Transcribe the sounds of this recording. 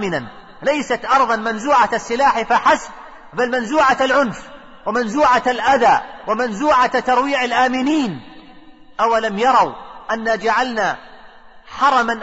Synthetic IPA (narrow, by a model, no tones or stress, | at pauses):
mɪnan | lajsat̪ʔɑɾˤðˤɑnmanzuːʕaasːɪlaːħfaħasb̚ | balmanzuːʕaalʕʊnf | wɪmanzuːʕaalʔaðaːwamanzuːʕat̪ɑɾˤwiːʕalʔaːmɪniːn | ʔawalamjɑɾˤɑwʔanːad͡ʒaʕalna | ħɑɾˤɑman